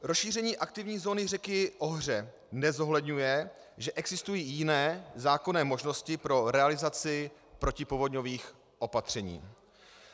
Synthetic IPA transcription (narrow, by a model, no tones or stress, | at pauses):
ɾosʃiːr̝ɛɲiːʔak̚t̪ɪvɲiːzo̞ːnɪrɛkɪʔo̞ɦr̝ɛ | nɛzo̞ɦlɛdɲujɛ | ʒɛʔɛɡzɪst̪ujiːjɪnɛːzaːko̞nɛːmo̞ʒno̞scɪpɾo̞ɾɛalɪzat͡sɪ | pɾo̞cɪpovo̞dɲo̞viːx | ʔo̞pat̪r̝̥ɛɲḭː